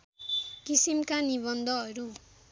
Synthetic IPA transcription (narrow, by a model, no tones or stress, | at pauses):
kisimkaniβʌnd̪ʱʌʌɾu